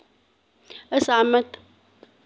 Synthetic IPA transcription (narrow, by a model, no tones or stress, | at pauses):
ʔasʕamat̪